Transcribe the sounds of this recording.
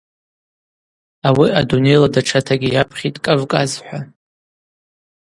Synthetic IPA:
awiadune̞jladaʈ͡ʂʰatʰaɡʲijapʰχʲitʼkʼɨvkʼazħʷa

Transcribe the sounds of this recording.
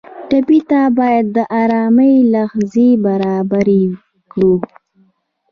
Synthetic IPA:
ʈapit̪abɑjad̪ːəʔɑɾɑməjlaxzebaɾɑbaɾi | kɽu

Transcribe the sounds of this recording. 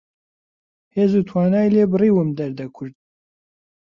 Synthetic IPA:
heːzut̪ʰwɑːnɑːjleːbɨriːwɨmd̪ɛɾd̪ɛkʰʊɾd̪̚

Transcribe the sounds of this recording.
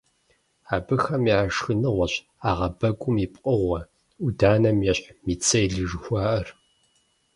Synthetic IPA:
aːbɨxɐmiaʂxɨnɨʁʷɔɕ | aːʁɐbɐkʷʼʊmipʼqʼəʁʷɐ | udaːnɐmjɛɕʼħmiːt͡sʰʼɐjɮɨʒxʷɑːʔɐr

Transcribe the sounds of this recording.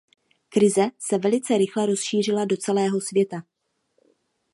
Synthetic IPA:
kɾɪzɛsɛvɛlɪt͡sɛɾɪxlɛɾo̞sʃiːr̝ɪlado̞t͡sɛlɛːɦo̞svjɛt̪a

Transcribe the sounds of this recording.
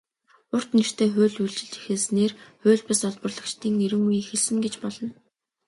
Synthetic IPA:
ʊr̥t̪ner̥t̪ʰeːxʊ̟ːɮuɮt͡ɕɪ̆ɮi̥xeːsneːrxʊːɮpasɔɮpə̆rɮə̆kt͡ɕt̪ʰiːŋneɾɘ̆ŋujixeɮsɘ̆ŋɡet͡ɕpɔɮɞ̆n

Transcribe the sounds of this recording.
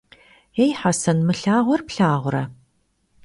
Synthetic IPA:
ejħasɐnmɨɬaːʁʷɔrpɬaːʁʷʊɾɐ

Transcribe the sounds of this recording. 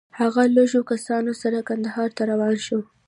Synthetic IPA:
haɣaloʒokasɑnosaɾakand̪ahɑɾt̪aɾawɑnʃo

